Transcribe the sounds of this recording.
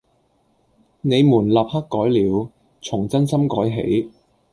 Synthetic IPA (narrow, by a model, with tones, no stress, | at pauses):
ne˨˧jmuː˨˩nlaː˨p̚hɐ˥kkːɔː˨˥jliː˨˧w | t͡sʰʊ˨˩ŋt͡sɐ˥nsɐ˥mkɔː˨˥jɦḛ˨˥j